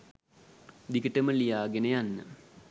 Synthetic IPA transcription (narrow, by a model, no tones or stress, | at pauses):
d̪ikəʈəməlijaːɡenəjanːə̰